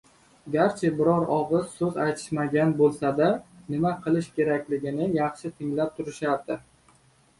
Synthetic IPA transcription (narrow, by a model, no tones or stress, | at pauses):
ɡʲaɾt͡ʃʰabɪɾɒɾɒʁɨz̥sɵzajt̪ʰɪ̥ʃmaɡʲanbolˠsad̪anɪmaqʰɨlˠɪʃkʲʰe̞ɾakʲlɪɡʲɪnɪjɑχʃɪt̪ʰɪŋlap̚t̪ʰʊɾɪʃaɾd̪ɪ